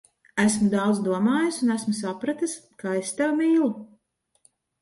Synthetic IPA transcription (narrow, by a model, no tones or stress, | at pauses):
æsmud̪ɑwd̪zd̪uɔmaːjusunæsmus̬apɾat̪ɨskaest̪æwmiːlˠu